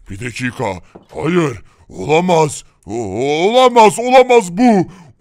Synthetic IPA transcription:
b̥id̪et͡ʃʰikʰaha̰jɯɾ | o̰lˠamaz̥ | olˠamazolˠamazbu

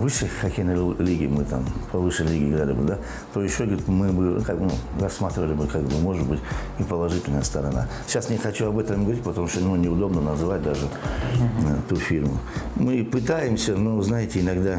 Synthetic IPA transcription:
vɨʂəjxɐkʲejnəlʲiɡʲɪmɨt̪a̰mpʰɐvɨʂəjlʲiɡʲɪɡɾʲalʲɪbɨd̪a | t̪ojɪɕːoɡəɾʲɪt̪mɨbɨkakbnṵrɐsːmat̪ɾʲɪvəlʲɪbɨkakbɨmoʐɨt̪̚bɨtʲnʲɪpəlˠɐʐɨtʲɪlʲnəjəst̪əɾɐ̰na̰ | ɕasnʲɪxɐt͡ɕuɐbɛt̪əmɡəvɐɾʲitʲpət̪ɐmuʂt̪onunʲɪʊd̪o̞bnənɐzɨvat̚ʲd̪aʐɨ | t̪ufʲirmʊmɨpɨt̪ajɪmsʲənoznajɪtʲɪɪnɐɡd̪a

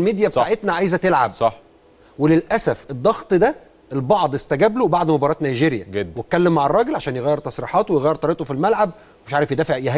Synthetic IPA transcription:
lmiːd̪jæbet̪aʔet̪næʕajzæt̪elʕabsˤɑħ | welelʔæsæfed̪ˤːɑɣt̪ˤd̪æ | elbɑʕd̪ˤest̪æɡæblobaʕd̪mobɑɾˤɑːt̪næjʒeːɾjæɡed̪wet̪̚kːælːemːaʕɑrˤːɑːɡelʕaʃæːnjeɣæːjːeɾt̪ɑsˤɾiħɑːt̪wejɣæjːeɾt̪ˤɑɾeʔt̪ˤofilmælʕab̚ | meʃʕaːɾefjed̪æːfeʕjeɦ

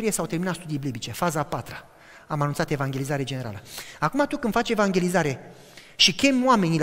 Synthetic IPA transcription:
ɾiesawt̪e̞rminat̪st̪ud̪ijblibit͡ʃe̞fazapat̪ɾə | amanunt̪sat̪e̞vaŋɡʲe̞lizaɾe̞d͡ʒene̞ɾa̰ləakumat̪ukɨnd̪fat͡ʃʲe̞vaŋɡʲe̞lizaɾe̞ | ʃikʲe̞mʲwame̞ni

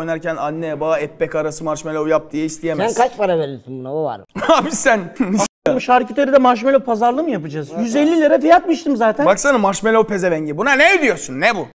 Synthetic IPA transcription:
ojnaɾcʰænanːɛbaɛpːɛcaɾasɯmaɾʃmelʲeujap̚d̪ijɛist̪ʰijemsænkʰat͡ʃpaɾaveɾilsinbunabuva̰ɾhaːbisænimʃaɾcit̪ʰaɾid̪ɛmaɾʃ̬melʲɛpʰazaɾlˠɯmɯjapɯd͡ʒaːzjyzɛlʲːilʲaɾɛfijat̪̚miʃt̪ʰimzaːt̪ʰænbaksanɯmaɾʃmelʲɛopʰezɛvɛɲɟɛbunanɛid̪ijo̞ɾsunːɛbu

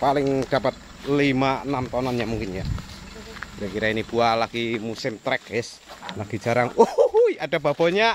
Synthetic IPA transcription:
palɪŋd̥apat̪̚ | limaənamt̪ɔnɔnɲamuŋkɪnja | bɾakiɾainib̥ualaɡ̥imusɪmt̪ɾɛkɛs | laɡ̥id̥ʒ̥a̤ɾaŋujadab̥ab̥ɔɲa

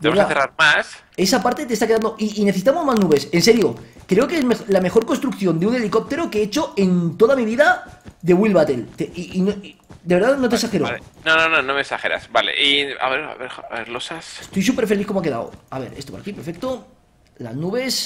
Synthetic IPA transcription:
demɾðaaθeraɾmas | e̞sapaɾt̪e̞t̪est̪akeðand̪oʔiːneθes̬it̪amo̞zmaznuβe̞se̞nse̞ɾjo̞kɾeokeezmexlame̞xo̞ɾkonst̪ɾuk̚θjo̞nd̪eune̞liko̞p̚t̪e̞ɾokeet͡ʃo̞e̞nt̪o̞ðamiβiðaðeɣwilβat̪e̞lt̪eiino | d̪e̞βe̞ɾðaðno̞t̪esaxeɾoaenonononomeksaxeɾa̰sbalḛʔia̰βeɾa̰βeɾβeɾlosasst̪o̞js̬upe̞ɾfeliθkomoake̞ða̰o̰aβe̞̰ɾe̞st̪opa̰ɾa̰kipeɾfe̞k̚t̪o̞ | la̰znuβe̞s

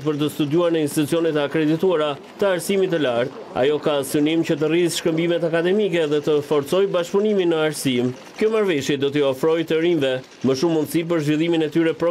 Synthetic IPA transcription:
t̪pəɾt̪əst̪ud̪uaɾnɛinst̪it̪ut͡siɔnɛt̪əakɾɛd̪it̪uaɾa | t̪əaɾsimit̪̬əlaɾt̪̚ | a̰jɔkasynimcət̪ərizʃkəmbimɛt̪akad̪ɛmikɛðɛt̪əfɔɾt͡sɔjbaʃpuniminəaɾsim | kjɔmaɾvɛʃjɛd̪ɔt̪əiɔfɾɔjt̪əɾimvɛ | məʃumːund̪sip̬əɾzvilˠiminɛt̪yɾɛpɾɔ

